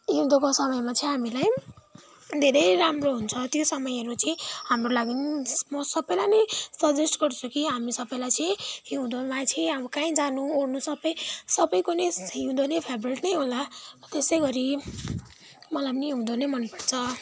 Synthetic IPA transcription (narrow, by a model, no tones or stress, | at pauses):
jiũd̪okosʌmʌjmat͡sʰʌĩɦamilaj | d̪ʱeɾejɾamroɦunt͡sʰʌt̪josʌmʌjʌɾut͡sʰʌĩhamrolaɡinmʌsʌbʌjlanʌjsʌd͡zesʈɡʌɾt͡sʰukiɦamisʌbʌjlajt͡sʰʌĩɦiwd̪omat͡sʰiĩʌbʌkãĩd͡zanuornusʌbʌjsʌbʌjkoneɦiwd̪onepʰebɾeʈnʌjɦolat̪esʌjɡʌɾi | mʌlajpʌnijiud̪onemʌnpʌrt͡sʰʌ